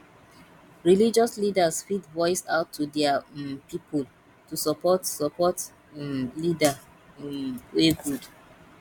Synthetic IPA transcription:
ɹilid͡ʒɔslidasfidvɔɪsaʊtʰːudɛapipʰɔl | tusɔpɔtsɔpɔt | lida | weɡud

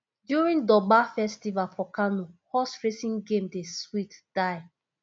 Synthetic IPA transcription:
djuɹĩndɔbafɛstivapʰɔkanohɔsfɹesĩŋɡẽmdeswitd̥aɪ

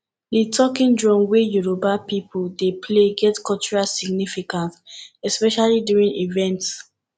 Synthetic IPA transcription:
ditʰɔkĩndɹɔ̃mwejuɹobapipʰuldepʰleɡɛtkʰɔt͡ʃuɹasiɡnifikãnsɛspɛʃalidjuɹĩnivɛ̃nts

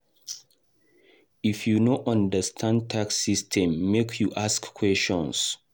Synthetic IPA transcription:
ifjunoʔãndəstʰãnd̚tʰaksistʰɛ̃mːekʰjuʔaskkʰːwɛst͡ʃɔ̃ns

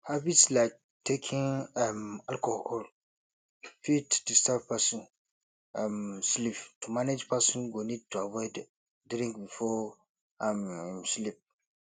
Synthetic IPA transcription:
habitslaɪk̚ | tʰekʰĩnɛmalkɔhɔl | fitd̥istavpʰasɔ̃n | amsliptʰumaned͡ʒpasɔ̃nɡonid̚tʰuavɔɪd | dɾĩŋkbifɔ | am̃mslip̚

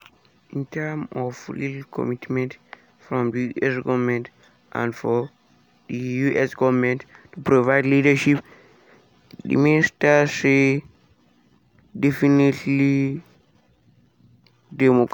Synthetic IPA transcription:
ĩntʰɛmɔflitlkʰɔ̰mitmɛ̃nt | fɹɔ̃mdiuʔɛsɡɔvmɛ̃nt | ʔã̰ndfɔ | dijuʔɛsɡɔvmɛ̃nttupɾovaɪdlidəʃip | dḭmestase | dɛfinitʰli | dɛmok

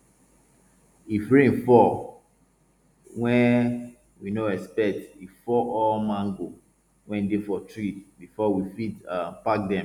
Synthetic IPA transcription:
ifɹẽnfɔ | wɛ̃n | winoɛspɛk̚tifɔʔɔmãŋɡo | wɛ̃nidefɔtɹitbifɔwifitapak̚dɛ̃m

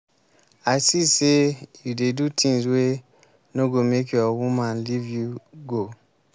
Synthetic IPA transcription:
aɪsisejudedutʰĩŋswe | noɡomekjɔwumãnlivjuɡo

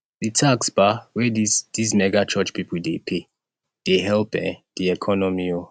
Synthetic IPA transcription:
ditʰaksbawɛdisdismɛɡat͡ʃɔt͡ʃpipʰəldepʰe | d̥eɦɛlpɛ̰d̥iɛkʰɔnɔmio

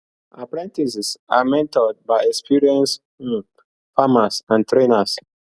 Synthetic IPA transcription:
apɹɛ̃ntisɛsa̰mɛ̃ntɔd̚baɪɛkspʰiɹiɛ̃ns | famasãntɹenas

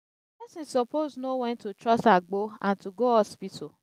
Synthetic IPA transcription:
pɛsɪ̃nsɔpoznowɛ̃ntutɹɔstaɡ͡boãntʰuɡoɔspitʰo

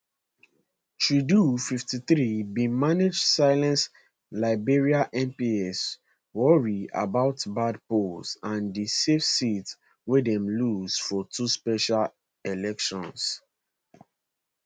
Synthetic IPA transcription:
t͡ʃɹidufiftiθɹibĩmaned͡ʒsaɪlɛ̃ns | laɪbeɹiaʔɛ̃mpiɛs | wɔɹia̰baʊtbadposãndisefsits | wedɛ̃mluzfɔtʰuspɛʃal | ɛlɛkʃɔ̃ns

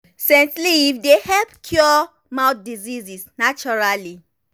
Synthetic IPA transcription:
sɛ̃nsliːfdehɛlpkʰjɔ | mãʊt̚dizizisnat͡ʃɔɹali

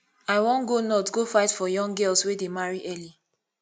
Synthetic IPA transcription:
aɪwɔ̃nɡonɔtɡofaɪtfɔjɔ̃ŋɡɛlswedemaɹiʔɛli

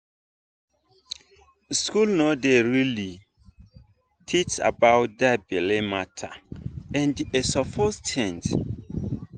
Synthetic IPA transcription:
skulnodeɹili | tʰit͡ʃa̰bawt̚dabɛlematʰaɛ̃ndesɔfɔstʰɛ̃nt

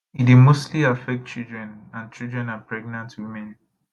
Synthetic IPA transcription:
idimostʰliafɛk̚t̚t͡ʃildɹɛ̃nãnt͡ʃildɹɛ̃napʰɹɛɡ̚nãntʰwimɛ̃n

